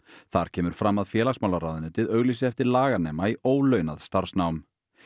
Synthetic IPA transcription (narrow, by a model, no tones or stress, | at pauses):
θaɾ̥cʰɛːmʏɾ̥fɾamːaðfjɛːlaɣsmawlaɾaːwðʏnʏt̪ʰɪðœɣlisɪɛft̪ɪɾlaːɣanɛːmaioːwlœɥnaðst̪aɾ̥snawm